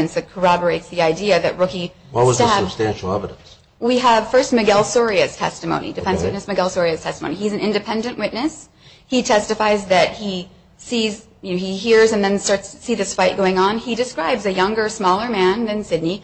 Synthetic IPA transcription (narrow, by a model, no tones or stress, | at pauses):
ɨ̃nsðɨt̚kʰə˞ɑbə˞eɪtsðiaɪdiɨðɨt̚ɹʊki | wʌt̚wʌzðtæɨ̥stæ̃nʃl̩ˠɛ̰vəɾɨ̃ns | wiəv̥fɜ˞st̚mɨɡɛlˠsɔɹiɨz̥tʰɛ̰stɨmõ̰ʊ̃nḭdɨfɛ̃nswɪʔⁿnɨsmɨɡɛlˠsɔɹiɨz̥tʰɛstəmõʊ̃niiɨzn̩ɪ̃ndɨpʰɛ̃ndɨ̃nʔwɪtⁿnɨs | hitʰɛstɨfaɪzðɨt̚hi | siz | jɨnoʊiɦiɹzɨ̃nðɨ̃nstɑɹtstʰsiðɪsfaɪt̚ɡ̥oʊɪ̃ŋə̃nidɨskɹaɪbzɨjʌ̃ŋɡə˞smɔlˠə˞mæ̃nðɨ̃nsɪdⁿni